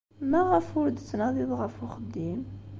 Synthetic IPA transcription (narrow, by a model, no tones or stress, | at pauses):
mæʁəfʊɾd̪t͡sːnɑðˤiðˤʁəfʊχəd̪ːim